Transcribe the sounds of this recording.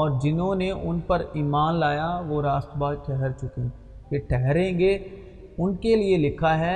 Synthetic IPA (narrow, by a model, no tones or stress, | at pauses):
ɔːɾd͡ʒɪnɦõneʔʊnpɐɾiːmaːnlaːjaʋoɾaːst̪əbaːd̪̚ʈʰɛɦɛɾt͡ʃʊkẽː | keʈʰɛɦɾẽːŋɡe | ʊnkelielɪkʰaɦɛ